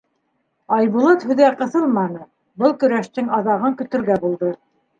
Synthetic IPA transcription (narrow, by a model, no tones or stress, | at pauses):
ɑjβulˠɤt̪hʉðæqɤ̆θɤlˠmɑnɤ | bɤlˠkɵ̆ɾæʃt̪ɘŋɑðɑʁɤŋkɵ̆t̪ɵ̆ɾɡæbulˠd̪ɤ